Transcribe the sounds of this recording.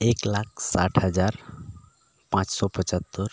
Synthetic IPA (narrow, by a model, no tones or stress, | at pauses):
eklak̚ʰsa̰ʈʰɦəd͡ʒaɾ | pãt͡ʃsɔpət͡ʃət̪ːəɾ